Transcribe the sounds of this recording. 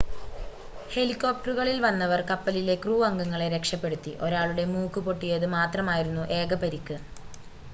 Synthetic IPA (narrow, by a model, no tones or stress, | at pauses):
he̞likːo̞ːp̚ʈɐruɣɐɭilʋɐnːɐʋɐrkɐpːɐlile̞kruːʋɐŋɡɐŋːɐɭe̞ɾe̞kʂɐpːe̞ɽut̪ːiʔo̞ɾaːɭuɽe̞muːkːɨpo̞ʈːijɐðɨmaːt̪rɐmaːjiɾunːuʔe̞ːɡɐpɐɾikːɨ